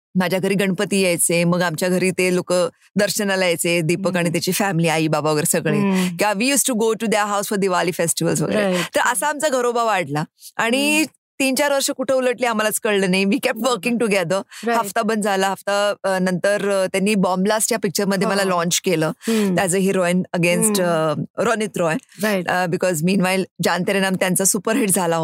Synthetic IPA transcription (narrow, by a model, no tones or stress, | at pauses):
mad͡ʑʱjaɡʱəɾiːɡəɳpət̪iːjejt͡seməɡamt͡ɕjaɡʱəɾiːt̪elokə | d̪əɾɕənalajet͡sed̪ipəkaɽ̃it̪jat͡ɕiːfæmiliːaiːbabaʋəɡəɾsəɡɭekiaʋijuːsʈuɡoʈud̪əɾɦawsfɔɾd̪iʋaliːfesʈiʋəlsʋə̰ɡə̰ɾet̪əɾʔəsaːmt͡saɡʱəɾobaʋaɽlaaɽ̃i | t̪iːnt͡ɕaɾʋəɾʂəkuʈʰeːuləʈliam̤alat͡skəɭlənaiʋiːkɛp̚ʈʋəɾkĩŋɡʈuɡɛd̪əːɦaft̪abənd͡zʱaləɦaft̪anənt̪əɾt̪janːiːbɔmblasʈjapik̚t͡ɕəɾməd̪ʱjeeməlalɔ̃ɲt͡ɕkeləːt̪ad͡zəɦiɾɔjənəɡensʈɾɔnit̪ɾɔjənbikɔzmiːnʋajld͡ʑant̪əɾenamt̪jãnt͡sasupəɾɦiʈ̚d͡zʱalaɦo